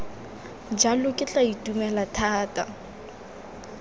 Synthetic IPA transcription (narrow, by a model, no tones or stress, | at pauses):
d͡ʒalʊkʼɪt͡ɬʼaitʼumɛlatʰaːtʼa